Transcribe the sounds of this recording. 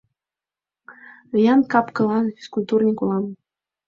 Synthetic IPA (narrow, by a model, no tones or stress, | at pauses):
ijɑnkɑpkɤ̆lˠɑnʲiskulʲt̪urnʲikulˠɑm